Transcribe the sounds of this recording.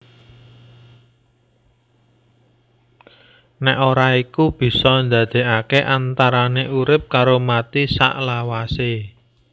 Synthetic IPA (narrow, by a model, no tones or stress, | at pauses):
nɛʔoɾaikub̥i̤sɔnd̪a̤d̪̥e̤ʔakeʔant̪aɾaneʔuɾɪp̚kaɾomat̪isa̰ʔlawase